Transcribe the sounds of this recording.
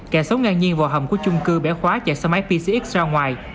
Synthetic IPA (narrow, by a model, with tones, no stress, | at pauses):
kɛ˧˩sə˨˦wŋaː˨˩nɲi˧nvɔ˨˩ɦə̰˨˧˩wŋ͡mku˧˩ət͡ɕʊ˧ŋ͡mkɨ˧ɓɛ̰˧˩xwaː˨˦t͡ɕɛ˧˩sə˧ma˨˦˥j̚pi˧si˧ʔi˦˥k̚szaː˧ŋwaː˨˩j